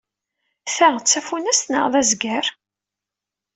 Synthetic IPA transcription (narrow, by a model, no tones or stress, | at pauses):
θæʁt͡sːæfunæst̪nə̰ʁðæzɡæɾ